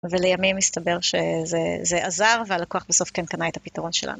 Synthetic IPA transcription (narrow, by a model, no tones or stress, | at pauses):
velejamimːist̪abe̞ʁʃezezeʔazaʁvealakuaχbaso̞fkenkanaet̪hapit̪aʁo̞nʃḛla̰nu